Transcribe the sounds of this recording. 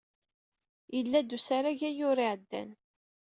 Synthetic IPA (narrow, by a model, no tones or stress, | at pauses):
jəlːæd̪usaɾaʝæjʊɾiʕd̪ːæ̰n